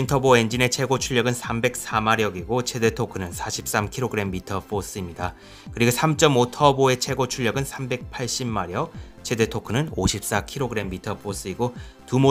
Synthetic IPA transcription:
intʰʌboe̞nd͡ʑine̞t͡ɕʰe̞ɡot͡ɕʰuʎːʌɡɯnsʰambe̞k̚s͈amaɾjʌɡiɡot͡ɕʰe̞de̞tʰokʰɯnɯnsʰaɕʰi̥p̚s͈amkʰiɾoɡɯɾe̞mːitʰʌpʰos͈ɯimɲida | kɯɾiɡosʰamt͡ɕ͈ʌmotʰʌboe̞t͡ɕʰe̞ɡot͡ɕʰuʎːʌɡɯnsʰambe̞k̚pʰaɭɕ͈imːaɾjʌt͡ɕʰe̞de̞tʰokʰɯnɯnoɕʰip̚s͈akʰiɾoɡɯɾe̞mːitʰʌpʰos͈ɯiɡotumo

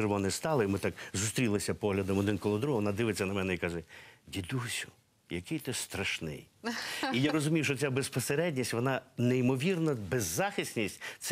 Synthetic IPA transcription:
ɪɾʋɔnɪst̪ɑlˠɪimɪt̪ɑkzʊst̪ɾʲilˠɪsʲɐpɔɦlʲɐd̪ɔmɔd̪ɪnkɔlˠɔd̪ɾuɦɔʋɔnɑd̪ɪʋɪt͡sʲːɐnɐmɛnɛikɑʒɛdʲid̪usʲʊ̥ | jɐkɪjt̪ɪst̪ɾɐʃnɪ̰jijaɾɔzʊmʲijuʃt͡ʃɔt͡sʲabespɔseɾɛdʲnʲisʲʋɔnɑneimɔʋʲirnɐbezːɑxʲisʲnʲisʲtʲt̪sɛ

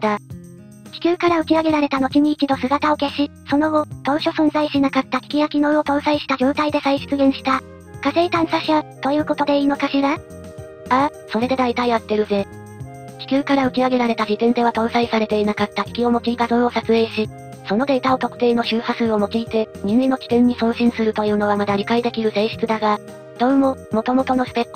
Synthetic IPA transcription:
d̪a | kʲi̥kʲɨːkaɾaɯ̟kʲiaɡe̞ɾaɾe̞t̪ano̞kiɲ̟iːt͡ɕid̪o̞sɨɡat̪ao̞ke̞ɕi | so̞no̞ɡo̞t̪õ̞ːɕo̞sõ̞nzaiɕinakat̪ːakʲi̥kʲijakʲino̞ɯo̞t̪õ̞ɰsaiɕi̥t̪ad͡ʑo̞ːt̪aid̪e̞saiɕi̥kɨɡẽ̞ɰ̃ɕi̥t̪a | kaze̞it̪ãɰ̃saɕiat̪o̞jɯ̟ːko̞t̪o̞d̪e̞iːno̞kaɕiɾa | a | so̞ɾe̞d̪e̞d̪ait̪aiβat̪ːe̞ɾɯ̟ze̞ | kʲi̥kʲɨːkaɾaɯ̟kʲiaɡe̞ɾaɾe̞t̪ad͡ʑit̪ẽ̞nd̪e̞βat̪õ̞ɰ̃saisaɾe̞t̪e̞inakat̪ːakʲi̥kʲio̞mo̞kiːt̪azoɰo̞sat͡sɨe̞ːɕi | so̞no̞d̪e̞it̪ao̞t̪o̞kɯ̟t̪e̞ːno̞ɕɨːhasɨːo̞mo̞kʲiːt̪e̞ɲ̟ĩŋinokʲi̥t̪ẽ̞ɲ̟ːisõ̞ːɕĩɰ̃sɨɾɯ̟t̪o̞jɯ̟ːno̞βamad̪aɾʲikaid̪e̞kʲiɾɯ̟seɕi̥t͡sɨd̪aɡa | d̪̥o̞ːmo̞mo̞t̪o̞mo̞t̪o̞no̞sɨ̥pe̞kː

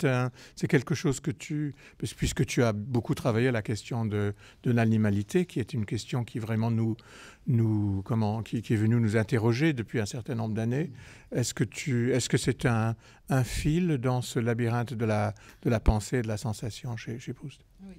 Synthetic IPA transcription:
t̪ɛ̃sɛkʲɛlkəʃozkət̪ʰy | ppɥiskət̪yabokut̪χavajealakʲɛst̪jɔ̃d̪ə | d̪̥ənanimalit̪ʰekʲiɛt̪ynkʲɛst̪jɔ̃kʰʲivʁɛmɑ̃nu | nukɔmɑ̃kʲikʲiɛvənynuzɛ̃t̪eʁɔʒed̪əpɥiɛ̃sɛʁt̪ɛ̃nɔ̃bʁəd̪ane | ɛskət̪ʰyɛskəsɛt̪ɛ̃ː | fild̪ɑ̃səlabiʁɛ̃t̪d̪əlad̪̥əlapɑ̃sed̪əlasɑ̃sasjɔ̃ʃeʃebʁust̪

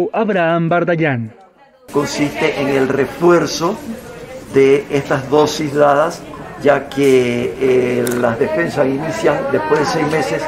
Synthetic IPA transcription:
ʔaβɾaambaɾd̪aʎan | ko̞nsist̪eʔeŋe̞lre̞fwe̞ɾso̞ | ðeest̪azðo̞sizðaðasd͡ʒakʰeelazðe̞fe̞nsaŋinisjaŋd̪e̞spwe̞zðesejzme̞se̞s

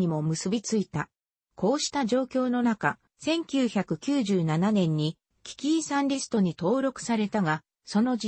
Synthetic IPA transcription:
imo̞mɯ̟sɨbʲit͡sɨit̪a | kʰo̞ːɕi̥t̪aʑo̞ːkʲo̞ːno̞naka | sẽ̞ŋkʲɨːçakɯ̟kʲɨːʑɨːnananẽ̞ɲ̟ːi | kʲi̥kʲiːsãnɾʲisɨ̥t̪o̞ɲ̟it̪o̞ːɾo̞kɯ̟̥saɾe̞t̪aɡa | so̞no̞

